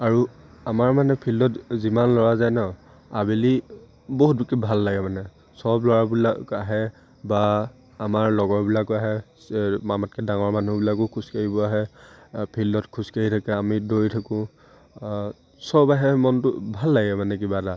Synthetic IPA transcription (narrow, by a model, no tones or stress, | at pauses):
aɹuamaɹmanɛpʰildɔtzimanlɔɹazajnɔ | abili | boɦut̚bakibʱalːaɡɛmanɛ | sɔblɔɹabilakaɦɛ | baː | maɹlɔɡɔɹbilakaɦɛ | mamatkɛdaŋɔɹmanubilakʊkʰuskaɹibɔaɦɛpʰildɔtkʰuskaɹitʰakɛamidoɹitʰakʊ̃ | sɔbaɦɛmɔntʊbʱalːaɡɛmanɛk̬ibata